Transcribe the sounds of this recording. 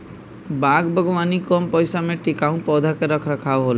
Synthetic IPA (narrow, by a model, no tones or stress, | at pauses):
baɡbʱəɡɔʋanikɔmpɔjsamẽʈikaũpɔd̪ʱakeɾəkʰɾəkʰabɦol